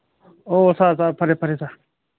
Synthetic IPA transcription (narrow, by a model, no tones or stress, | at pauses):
oːsaːsaːpʰəɾeːpʰəɾeːsaː